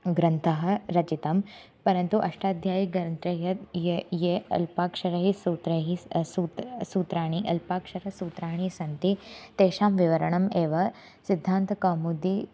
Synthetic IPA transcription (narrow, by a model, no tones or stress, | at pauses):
ɡɾɐnt̪ʰɐɦɐ̆ɾɐt͡ʃit̪ɐm | pɐɾɐnt̪uʔɐ̰ʂʈaːd̪ʱjaːjiɡɾɐnt̪ɾɐjɐt̪jejeɐ̰lpaːkʂɐɾɐɦisuːt̪ɾɐɦisuːt̪suːt̪ɾaːɳ̃iʔɐlpaːkʂɐɾɐsuːt̪ɾaːɳ̃isɐnt̪it̪eːʃaːmʋiʋɐɾɐɳɐmeːʋɐ | sid̪ʱːaːnt̪ɐkaːmud̪i